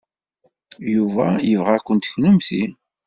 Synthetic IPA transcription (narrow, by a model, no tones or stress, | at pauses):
juvæjəvʁækʷːənt̪çnʊmθi